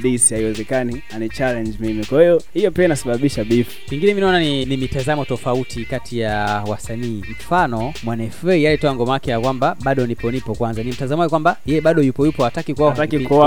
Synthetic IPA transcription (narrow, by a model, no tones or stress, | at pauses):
ɗisihaiwɛzɛkanianit͡ʃalɛɲd͡ʒmimikwahijɔhijɔpiainasaɓaɓiʃaɓifukiŋɡinɛminaɔnaninimitazamɔtɔfautʰikatijawasaniːm̩fanɔmwanɛfɛijalitɔaŋɡɔmaakɛjakwambaɓaɗɔnipɔnipɔkwanzanim̩tazamajɔkwambajɛɛɓaɗɔjupɔjupɔatakikwatakikua